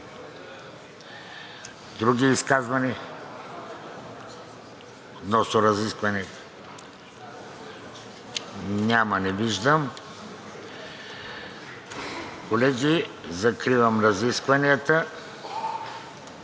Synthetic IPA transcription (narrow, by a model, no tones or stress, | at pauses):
d̪ɾuɡiːskazvɐni | ot̪nɔsnʊɾɐziskvɐnit̪ | nʲamɐnɛviʒd̪əm | kolɛɡʲizɐkɾivɐmɾɐziskvɐniət̪ə